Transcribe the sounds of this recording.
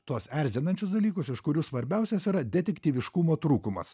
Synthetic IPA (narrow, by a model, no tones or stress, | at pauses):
t̪uɔsæɾʲzʲɪnɐnʲt͡ʃʲʊsd̪ɐlʲiːkʊsɪʃkʊɾʲuːsʋɐɾʲbʲɛˑʊsʲɛsiːɾɐd̪ʲɛt̪ʲɛkʲt̪ʲiːʋʲɪʃkʊmoːt̪ɾuːkʊmɐ̰s